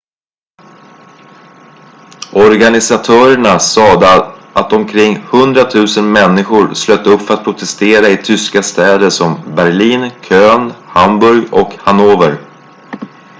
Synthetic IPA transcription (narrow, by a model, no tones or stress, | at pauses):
ʔɔɾɡanɪsat̪ʰœːɾəɳasɑːd̪əʔat̪ɔmkʰɾɪŋːhɵnd̪ɾat̪ʰʉ̟ːsənmɛnːɪɧʊɾsløːt̪ːəɵpːfœɾat̪̚pʰɾʊt̪ʰɛst̪eːɾaɪt̪ʰʏskast̪ɛːd̪əʂɔmbæɾɭiːnkʰøːnhambɵɾɡɔkhanoːvəɾ